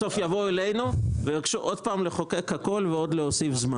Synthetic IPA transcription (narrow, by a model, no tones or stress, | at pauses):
sofjavo̞ele̞jnuvejaɡʃuʔod̪̚paːmleχo̞kekhako̞lveo̞d̪lehosifzma